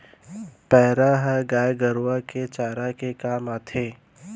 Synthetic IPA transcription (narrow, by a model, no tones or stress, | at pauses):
pɛːɾaɦɛɡaːjɡəɾwaket͡ʃaːɾakekaːmaːt̪ʰeː